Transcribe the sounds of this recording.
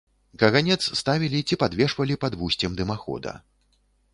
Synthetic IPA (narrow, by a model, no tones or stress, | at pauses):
kɐɣanʲɛt̪sst̪avʲilʲit͡sʲipad̪vʲɛʂvɐlʲipad̪vusʲt͡sʲɛmd̪ɨmaxɔ̰d̪ɐ̰